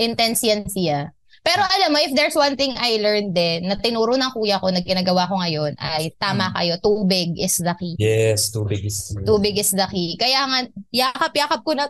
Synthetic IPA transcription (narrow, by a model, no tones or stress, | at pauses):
ʔɪnt̪ɛnsjɐnsɪja | pɛːɾoʔɐlɐmːoʔɪfd̪ɛɹswɐnθɪŋʔɐjlɛɹnd̪ɛnːɐt̪ɪnuːɾonɐŋkuːjɐko̞nɐɡ̚ɡɪnaːɡɐwakoŋɐjo̞nʔɐ̰jt̪aːmɐkɐ̰jo̞t̪uːbɪɡ̚ʔɪsd̪ɐkijɛst̪uːbɪɡɪst̪uːbɪɡɪsd̪ɐkikɐjaːŋɐnjaːkɐpjaːkɐp̚konɐ